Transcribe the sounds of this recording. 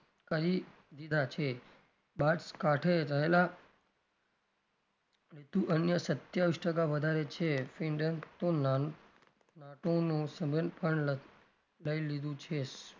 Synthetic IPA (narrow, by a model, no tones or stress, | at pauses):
kəɾi | d̪id̪ʱat͡ʃʰe | baʈskaʈʰeɾəɦela | lit̪ũʔənjəsət̪jaʋiʃʈəkaʋəd̪ʱaɾet͡ʃʰefĩɳɖənt̪on | naʈonũsəbʱənpəɳ | ləilid̪ũt͡ʃʰes